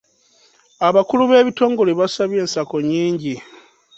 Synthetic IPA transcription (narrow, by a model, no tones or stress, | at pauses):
aβakuluβe̞ːβito̞ːŋɡo̞leβasaβje̞ːnsako̞ɲiːɲɟi